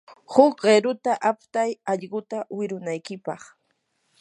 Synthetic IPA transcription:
hʊkɢeɾʊt̪aʔapt̪ajɑʎɢʊt̪awɪɾʊnajkɪpɑχ

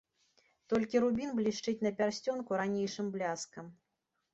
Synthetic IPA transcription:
t̪ɔlʲkʲiɾubʲinblʲiʂt͡ʂɨt͡sʲnɐpʲarsʲt͡sʲɔnkuɾanʲejʂɨmblʲaskɐm

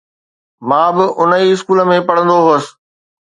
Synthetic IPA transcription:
mãːbɪʔʊnəiɪskuːlə̆mẽpɐɽ̤ə̃nd̪oɦoəsɪ̥̆

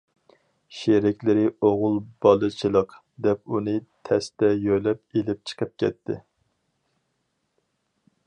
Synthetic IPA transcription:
ʃeɾɪkʲlɪɾɪoʁʊlˠbɑlˠɨt͡ʃʰilˠəq | d̪ɛp̚unɨt̪ʰɛst̪ɛjøjlɛp̚elɪp̚t͡ʃʰə̥qʰəp̚kʲɛ̰t̪ʰːɪ̰

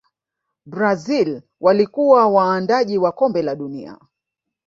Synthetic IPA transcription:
bɾazil | walikuwawaːndaʄiwakɔmbɛlaɗunḭa̰

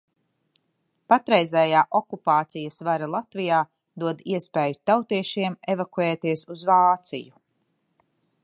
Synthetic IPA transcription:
pat̪ɾɛjzɛjaːʔɔkupaːt̪sijɐsvaɾalˠat̪vijaː | d̪uɔd̪iɛspeːjut̪awt̪iɛʃiɛmevakuɛːt̪iɛsuzvaːt̪sḭju

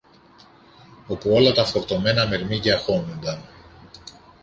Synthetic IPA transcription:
o̞puo̞lɐt̪ɐfo̞ɾt̪o̞me̞nɐmeɾmiɟɐxo̞nund̪ɐn

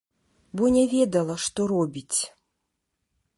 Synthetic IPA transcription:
bɔnʲɛvʲɛd̪ɐlˠɐʂt̪ɔɾɔbʲit͡sʲ

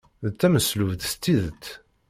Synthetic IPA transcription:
ðt͡sːæməsluvðst̪ːiðət̪ː

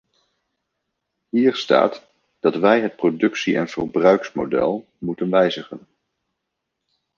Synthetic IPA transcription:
ɦiːrsta̰ːt | d̥ɑtʋɛjɦət̚prodɵksiʔɛ̰nv̥ə̰rbrœɥksmo̰dɛ̰lˠ | mutənʋɛjzəχə̰n

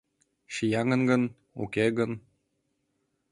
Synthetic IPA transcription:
ʃijɑŋə̆nɡɤ̆n | ṵkʲeɡən

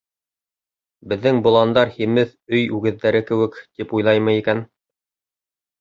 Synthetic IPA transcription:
bɘ̆ðːɘŋbŏlˠɑnd̪ɑɾhimɘθɵjʉɡɘ̆ðːæɾɘkɘ̆wɘkt̪ipujlˠɑjmɤikæn

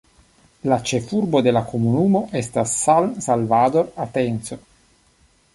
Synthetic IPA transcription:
lat͡ʃefurbod̪elakomunuːmoʔɛst̪asalmsalvaːd̪oɾat̪ːɛnt̪so

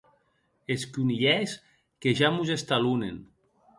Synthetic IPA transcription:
eskuniʎɛs | keʒamuzest̪alunen

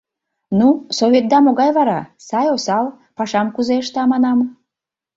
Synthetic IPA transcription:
nusovʲet̪̚d̪ɑmoɣɑjβɑɾɑsɑjosɑl | pɑʃɑmkuzeəʃt̪ɑmɑnɑm

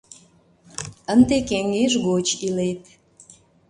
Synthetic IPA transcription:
ənd̪ekeŋeʃɣot͡ɕilet̪̚

